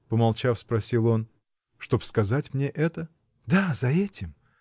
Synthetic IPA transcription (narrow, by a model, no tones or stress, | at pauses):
pəmɐlˠt͡ɕafspɾɐsʲilˠo̞n | ʂt̪o̞pskɐzatʲmnʲeʔɛt̪ə | d̪azɐɛtʲɪm